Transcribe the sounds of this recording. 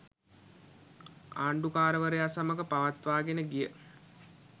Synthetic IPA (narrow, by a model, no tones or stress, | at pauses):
aːɳɖukaːɾəʋəɾejasaməkəpaʋat̪ʋaːɡenəɡijə